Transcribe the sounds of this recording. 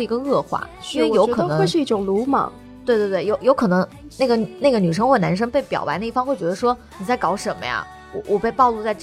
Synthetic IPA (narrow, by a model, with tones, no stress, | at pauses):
i˧˥ɡə˧ɤ˥˧xwa̰˥˩sɔ˥i˧˥jo˧˥ʊkʰɤ˨˧˥nɤ˧˥wʂɻ̩˥˧i˥˩ʈ͡ʂʊ˨˩ŋlu˧˥mɑ̰˨˩˦ | t̪we˥˧ɪt̪we˥˧twjo˧˥ʊjo˧˥ʊkʰɤ˨˩nɤ˧˥ŋ | na˥˩ɡə˩n˩na˥˩ɡə˩ny˨˩ʂ̬ɤ˥ŋxwɔ˥˩na˧˥nʂ̬ɤ˥ŋpe˥˩ɪpjɑ̰˨˩ʊpa̰˧˥˩fɑ˥ŋxwt͡ɕɥɛ˧˥d̪ə˧ʂwɔ˥i˨˩t͡sa˥˩ɪkɑ˧˥ʊʂə˧˥nmə̰˧ja̰˧ | wɔ̰˨˩wɔ˨˩pe˥˧ɪpɑ˥˧ʊlu˥˧t͡sa˥˧ɪʈ͡ʂ